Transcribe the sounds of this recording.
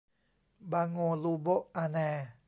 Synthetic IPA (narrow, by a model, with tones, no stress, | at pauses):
ba˧ŋo˧lu˧bo˦ʔa˧nɛ˧